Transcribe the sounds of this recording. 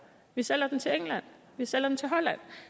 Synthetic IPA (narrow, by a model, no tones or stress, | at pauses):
ʋisel̰ɐd̥ent͡sʰe̝eŋlæn̰ | ʋisel̰ɐdent͡sʰe̝ɦɒ̽læn̰